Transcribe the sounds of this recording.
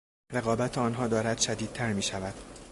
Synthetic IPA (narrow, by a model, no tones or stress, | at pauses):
ɾe̞ɣɒːbæt̪ʰeɒːnɦɒːd̪ɒːɾæd̪̥ʃæd̪iːd̪̚t̪ʰæɾmiːʃævæd̪̥